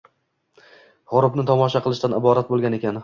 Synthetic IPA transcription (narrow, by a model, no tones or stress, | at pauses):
ʁʊɾɪpnɪt̪ʰɒmɒʃaqɨlˠɪʃt̪anɪbɒɾat̪̚bolˠɡʲane̞kʲan